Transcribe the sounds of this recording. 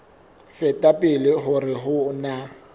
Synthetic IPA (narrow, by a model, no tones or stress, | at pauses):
fɛtʼapʼɪlɪɦʊrɪɦʊna